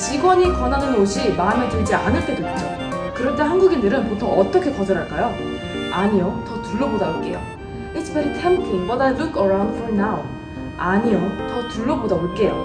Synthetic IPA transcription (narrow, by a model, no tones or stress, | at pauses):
t͡ɕiɡwʌɲikʌnanɯnɡoɕʰimametɯɭd͡ʑia̰nɯɭt͈e̞doit͡ɕ͈o | kɯɾʌt͈ʰehanɡuɡindɯɾɯnpotʰoŋʌt͈ʌkʰe̞kʌdɯɾɦaɭk͈ajo | aɲijotʌtuɭːobodaoɭk͈e̞̰jo̰ | ispʰeɾitʰempʰibʌtalukʰʌɾaw̃ndfʰonaw | aɲiotʌtuɭːʌbodaoɭk͈e̞jo̰